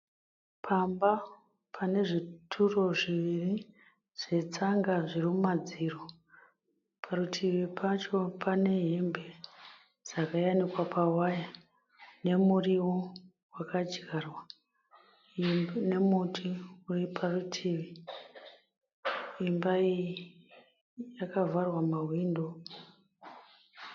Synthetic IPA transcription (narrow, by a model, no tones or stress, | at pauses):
pʰamba | pʰane̞ʐitʰuro̞ʐiʋiri | ʐ̥e̞t͡saŋɡaʐirimumad͡ziro | pʰarutʰiʋipʰat͡ʃo̞pʰane̞ɦimbe | d͡zakajanikwapʰawaja | ne̞muriwo | wakad͡ʒɡarwa | ne̞mutʰiuripʰarutʰiːʋi | imbai | jakavarwamawiːndo